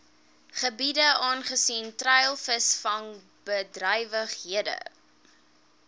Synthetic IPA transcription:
χəbidəɑːnχəsintrɛjlˠfəsfɐn | bədrəjvəχɦiədə̰

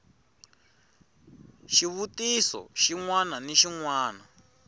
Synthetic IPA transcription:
ʃiβutisɔ̰ʃiŋwananiʃiŋwaːna

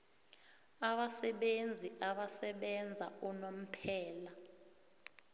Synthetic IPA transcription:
aɓasɛɓend͡zʱiʔaɓasɛɓɛnd͡zʱaunom̩pʰɛːla

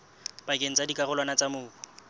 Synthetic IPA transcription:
pakʼeŋ̩t͡sʼadikʼarʊlwanat͡sʼamʊːkɔ̥

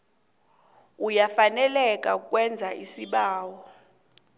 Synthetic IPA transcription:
ujafanɛlɛk̬ʼauk̬ʼwɛnd͡zʱaʔisiɓaːwɔ

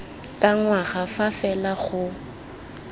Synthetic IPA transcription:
kʼaŋwaɣafafɛlaχʊ

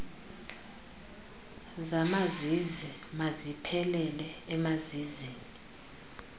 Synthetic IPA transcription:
zamazizimazipʰɛlɛlɛɛmaziziːŋi

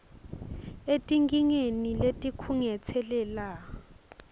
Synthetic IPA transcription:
etʼiŋkʼiŋeniletʼikʰuŋɛt͡sʰɛlɛːla

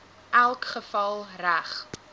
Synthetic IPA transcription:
ʔælˠkχəfɐlˠræχ

